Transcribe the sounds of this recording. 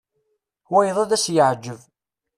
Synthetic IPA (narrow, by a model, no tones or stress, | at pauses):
wæjðˤæðæsjəʕd͡ʒːəv